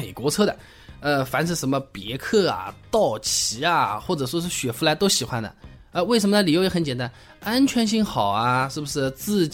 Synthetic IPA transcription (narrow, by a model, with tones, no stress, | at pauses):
e˨˩ɪkwɔ˧˥t͡sʰɤ˥ɾə˨ | ə˧fa˧˥nʂ̬ɻ̩˥˩ʂə˧˥nmə˧pjɛ˧˥kʰɤ˥˩ɐ̰˩t̪ɑ˥˩ʊt͡ɕʰi˧˥ɐ˧xwɔ˥˩ʈ͡ʂɤ˨˩ʂwɔ˥ʂɻ̩˥˩ɕɥɛ˨˩fu˧˥la˧˥ɪt̪o˥ʊɕi˨˩xwa˥nd̪ə̰˨ | ə˧we˥˩ə˧˥nmə˧nə˧li˨˩jo˥ʊjxə˧˥nt͡ɕjɛ˨˩nt̪a˥n | a˥nt͡ɕʰɥɛ˧˥nɕ̬i˥˩ŋxɑ˨˩ʊɐ˦ʂɻ̩˥˩bu˩ʂɻ̩˥˩t͡sɹ̩˥˧t͡ɕ